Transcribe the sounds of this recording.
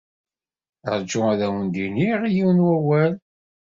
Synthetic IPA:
ə̰ɾd͡ʒːʊæðæwənd̪iniʁijiwnwæwæl

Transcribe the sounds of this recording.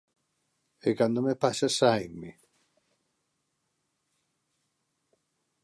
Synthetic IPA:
ekand̪omepaʃasajŋmi

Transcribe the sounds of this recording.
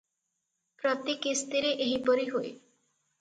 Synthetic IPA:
pɾɔt̪ikist̪iɾeʔeɦibɔɾiɦoj

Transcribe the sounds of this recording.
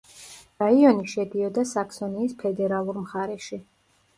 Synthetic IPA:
ɾaiɔniʃɛd̪iɔd̪asaksɔniːspʰɛd̪ɛɾalˠuɾmχaɾɛʃi

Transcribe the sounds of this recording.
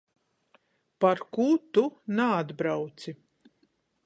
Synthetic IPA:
paɾkut̪unaːd̪bɾawt̪si

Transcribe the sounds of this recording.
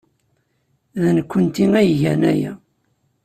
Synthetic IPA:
ðnkʷːənt̪iŋæjʝænæ̰jæ̰

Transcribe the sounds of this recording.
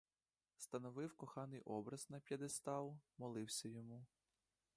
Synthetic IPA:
st̪ɐnɔʋɪwkɔxɑnɪjʔɔbɾɐznɐpʲjɐd̪est̪ɑlˠmɔlˠɪwsʲɐjɔmu

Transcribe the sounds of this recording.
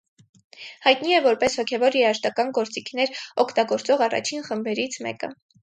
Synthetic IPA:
hɑjt̪niɛvɔɾpɛshɔkʰɛvɔɾjɛɑʃt̪ɑkɑnɡɔɾt͡sikʰnɛɾɔkʰt̪ɑɡɔɾt͡sɔʁɑrɑ̰t͡ʃʰinχəmbɛɾit͡sʰmɛ̰kə̰

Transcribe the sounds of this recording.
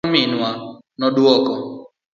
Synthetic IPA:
mɪnwa | nɔdwɔkɔ

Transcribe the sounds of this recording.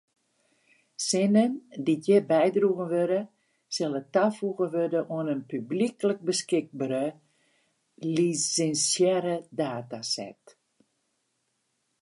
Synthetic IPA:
sɪnəndijəbɛjdruɣənʋødə | sɛlətafuɣənʋødəʔoənənpyblikələk̚bəskɪɡ̚baɾə | lisɛnsjɛɾədaːtasɛ̰t

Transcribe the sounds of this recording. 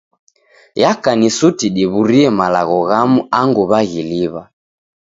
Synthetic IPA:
jakanisutiɗiβuɾiɛmalaɣɔɣamuaŋɡuβaɣiliβa

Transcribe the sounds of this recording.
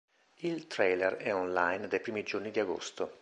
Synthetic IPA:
ilt̪ɾelɛrɛɔnlajnd̪ejpɾiːmid͡ʒornid̪iaɡo̰st̪o

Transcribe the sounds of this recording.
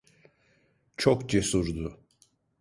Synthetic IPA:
t͡ʃʰokd͡ʒesuɾd̪ʊ

